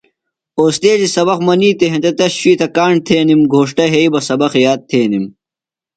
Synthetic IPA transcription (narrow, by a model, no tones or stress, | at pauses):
oːst̪eːzisɐbɐqmɐniːt̪eɦẽt̪et̪ɐɕɕiːt̪ɐkaːɳ̚t̪ʰeːnimɡʱoːʂʈɐɦeibɐsɐbɐxjaːt̪̚t̪ʰeːnim